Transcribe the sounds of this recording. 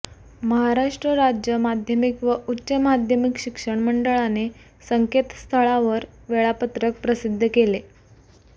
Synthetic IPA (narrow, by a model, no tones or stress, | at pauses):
məɦaɾaʂʈɾəɾad͡ʑjəmad̪ʱjəmikʋəutːɕəmad̪ʱjəmikɕikʂəɳməɳɖəɭane | səŋket̪st̪ʰəɭaʋəɾ | ʋeɭapət̪ɾək̚pɾəsid̪ʱːəkele